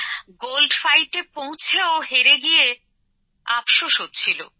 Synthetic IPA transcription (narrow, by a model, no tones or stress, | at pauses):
ɡolɖfajʈepõw̃t͡ɕʰeoɦeɾeɡije | a̰pʃoʃɦot̪ːt͡ɕʰilo̰